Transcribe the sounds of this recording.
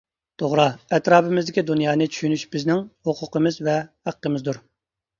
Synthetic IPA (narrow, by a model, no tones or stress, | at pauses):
t̪ʰoʁɾɑɛt̪ɾɑːpɪmɪzd̪ɪkʲid̪unjɑːnɨt͡ʃʰy̥ʃynyʃbɪznɪŋhoqʰʊqəmɨzvɛhæqːəmɨzd̪uɾ